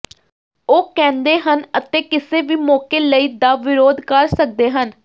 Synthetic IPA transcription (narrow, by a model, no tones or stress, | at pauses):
oːkɛ̃ːnd̪eːɦənət̪eːkɪseːʋiːmɔːkeːləiːd̪aːʋɪɾoːd̪kəɾsək̚d̪eːɦən